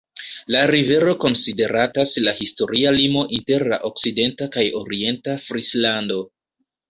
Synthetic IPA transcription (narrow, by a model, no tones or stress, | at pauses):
laɾive̞ɾo̞ko̞nside̞ɾataslahisto̞ɾʔialimo̞ʔinte̞ɾla̰ʔo̞kside̞ntakajoɾie̞ntafɾislando̞